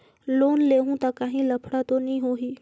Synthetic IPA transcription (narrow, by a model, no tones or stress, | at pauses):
loːnleːɦũt̪akaɦĩlɐpʰɽat̪onɐɦĩɦoːɦiː